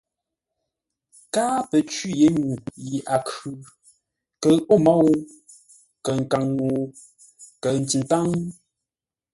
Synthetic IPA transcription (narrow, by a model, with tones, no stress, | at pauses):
ka˦pə˨t͡ʃwi˦˨je˨˦ɲu˨ji˨ʔa˨kʉ˨ | kə˨o˦mɔ˦˨ww | kə˨ŋ̩˨ka˨ŋno˨ | kə˨n̩˨ti˨nta˦ŋ